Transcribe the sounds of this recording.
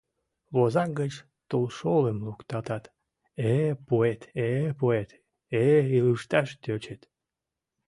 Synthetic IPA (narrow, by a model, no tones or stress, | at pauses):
βozɑkɡət͡ɕ | t̪ulʃoləmlukt̪ɑt̪ɑt̪ | epoet̪epoet̪ | eiluʃt̪ɑʃt̪øt͡ɕet̪